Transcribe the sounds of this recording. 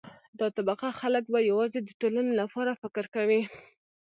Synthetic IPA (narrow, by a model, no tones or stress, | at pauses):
d̪ɑt̪abaqaxalək̚bajawɑzed̪əʈolanelapɑɾafɪkəɾkawi